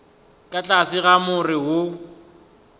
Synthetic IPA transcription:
kʼat͡ɬʼasɪɣamʊrɪɦʊ

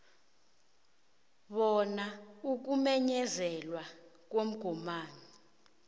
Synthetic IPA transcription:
ɓɔnauk̬umɛɲɛzɛlwak̬wom̩ɡ̥ʱɔmaːni

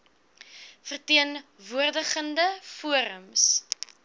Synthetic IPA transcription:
fərtiənvuərdəχəndəfuəɾəms

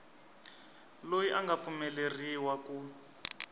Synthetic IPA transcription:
lojiʔaŋɡafumɛleriwaku

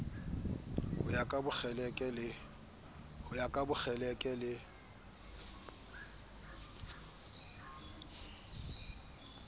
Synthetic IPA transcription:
hʊjakʼabʊk͡xɛlɛkʼɛlɪ | hʊjakʼabʊk͡xʰɛlɛkʼɛlɪ

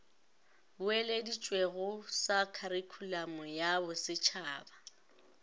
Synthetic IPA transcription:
bʊeledit͡ʃʼweɣʊsakʰaɾikʰulamʊjabʊsɪt͡ʃʰaːba

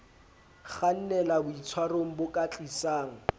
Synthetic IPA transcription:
χan̩nɛlabʊit͡sʰwaroŋ̩bʊkʼat͡ɬʼisaːŋ̩

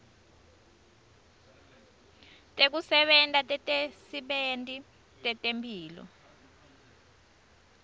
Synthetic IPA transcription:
tʼek̬usɛɓɛntʼatʼɛtʼesiɓentʼi | tʼɛtʼempʰʼiːlɔ̰

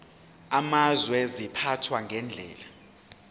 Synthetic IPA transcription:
amazwɛzipʰatʰwaŋʱɛnd͡ɮʱɛ̰ːla

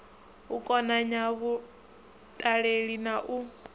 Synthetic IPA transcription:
ukʼɔnaɲaβu | tʼaɺeɺinaʔu

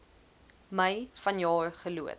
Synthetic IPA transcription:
məjfɐnjɑːrχəluə̰t

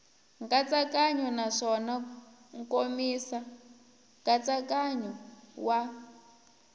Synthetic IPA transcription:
ŋkat͡sakʼaɲɔnaʂɔna | ŋkomisa | ŋkʼat͡sakaɲɔwa

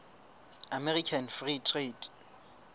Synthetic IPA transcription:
amɛrikʰanfritʰretʼ

